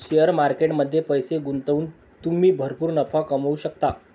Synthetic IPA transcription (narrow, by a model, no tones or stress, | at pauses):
ɕijəɾmaɾkeʈməd̪ʱːjepəjseɡunt̪əuːn | t̪um̤iːbʱəɾpuːɾnəpʰakəməuɕək̚t̪a